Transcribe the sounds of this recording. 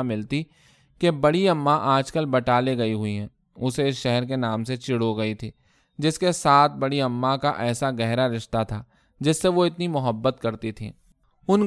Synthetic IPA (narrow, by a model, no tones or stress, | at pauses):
mɪlt̪i | kebɐɽiɐmːaʔaːd͡ʒkəlbɐʈaːleɡɐiɦʊiɦɛ̃ː | ʊsesʃɛɦɛɾkenaːmset͡ʃɪɽoɡɐit̪ʰiː | d͡ʒɪskesaːt̪̚ʰbɐɽiɐmːakaʔɛːsaɡɛɦɾaɾɪʃt̪at̪ʰaː | d͡ʒɪsːeʋoɪt̪nimʊɦəbːət̪kɐɾt̪it̪ʰḭ̃ː | ʊn